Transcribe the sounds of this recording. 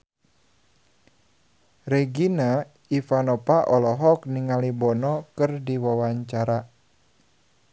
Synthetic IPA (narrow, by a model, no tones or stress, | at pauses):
reɡina | ifanɔpaʔɔlɔɦɔk̚niŋalibɔnɔkɨrdiwawaɲt͡ʃaɾa